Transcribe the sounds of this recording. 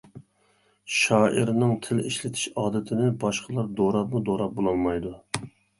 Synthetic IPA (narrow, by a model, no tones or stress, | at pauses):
ʃɑːʔḭɾnɪŋt̪ʰɪlḭʃlɪt̪ʰɪ̥ʃɑːd̪ɪt̪ʰɪnɪbɑʃqʰəlˠɑɾd̪oɾɑpmud̪oɾɑp̚bolˠɑlˠmɑjd̪u